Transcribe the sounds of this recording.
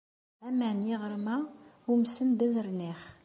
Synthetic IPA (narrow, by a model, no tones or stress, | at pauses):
æmænjiʁəɾˤmæ | umsənd̪æzəɾˤniχ